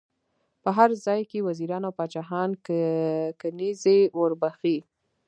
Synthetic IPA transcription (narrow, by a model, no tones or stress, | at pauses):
pəɦaɾzɑjkewaziɾɑnawpɑt͡ʃaɦɑn | kanizewəɾbaxi